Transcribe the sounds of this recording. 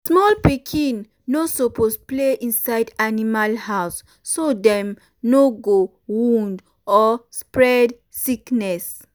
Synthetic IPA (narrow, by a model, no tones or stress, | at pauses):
smɔlpikʰĩn | nosopospleʔĩnsaɪdanimalhawsː | odɛ̃m | noɡo | wũnd | ɔspɹɛd | siknɛs